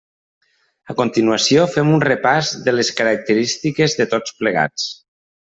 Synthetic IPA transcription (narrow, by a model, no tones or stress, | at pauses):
əkont̪inuəsiofɛmunrəpazðələskəɾək̚t̪əɾist̪ikezðət̪ot͡spləɣ̞a̰t͡s